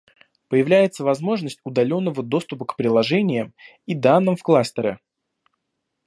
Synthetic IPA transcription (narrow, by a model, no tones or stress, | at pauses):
pəjɪvlʲæjɪt̪səvɐzmo̞ʐnəsʲtʲʊd̪ɐlʲo̞nːəvəd̪o̞st̪ʊpəkpɾʲɪlˠɐʐɛnʲɪjəm | id̪anːɨmfklˠast̪əɾə